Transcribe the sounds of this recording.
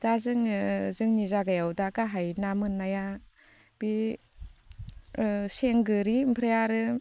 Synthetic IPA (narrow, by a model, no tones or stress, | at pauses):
d̥azɯŋzɯŋnizaɡajawdakaɦajnamɯnːaja | b̥i | seŋɡɯɾimpʰɾajaɾɯ